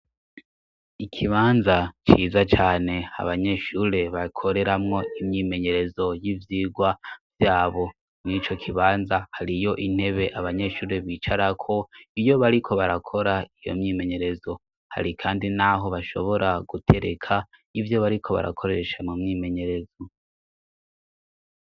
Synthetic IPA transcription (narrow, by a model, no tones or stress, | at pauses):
ikʰiβaːnzat͡ʃiːzat͡ʃaːne̞ha̰βaɲe̞ʃuːɾe̞βakʰo̞ɾe̞ɾamŋo̞imɲiːme̞ɲe̞ɾe̞zo̞jivjiːɡwavjaːβo̞ | nit͡ʃo̞kʰiβaːnzahaɾijo̞ʔin̥he̞βe̞ʔaβaɲe̞ʃuːɾe̞βiːt͡ʃaɾakʰo̞ijo̞βaɾikʰo̞βaɾakʰo̞ɾaijo̞̰mɲiːme̞ɲe̞ɾe̞zo̞ | ha̰ɾikʰaːndinaɦo̞βaʃo̞̰βo̞ɾaɡutʰe̞ɾekʰa | ivjo̞βaɾikʰo̞βa̰ɾa̰kʰo̞ɾe̞ʃamumɲime̞ɲe̞ɾe̞zo